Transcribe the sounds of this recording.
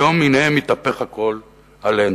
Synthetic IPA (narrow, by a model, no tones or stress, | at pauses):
olmineemit̪apeχhako̞l | alen